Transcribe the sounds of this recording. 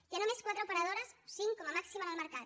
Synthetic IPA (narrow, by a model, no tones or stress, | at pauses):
janomeskwat̪ɾoupeɾað̞oɾassiŋkːomamaksimanalmeɾkað